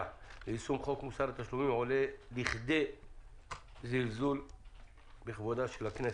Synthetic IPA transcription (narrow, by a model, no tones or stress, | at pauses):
lesumχo̞kmusaɾat̪aʃlumimʕo̞le̞liχd̪e̞ | zilzul | beχvod̪aʃelakne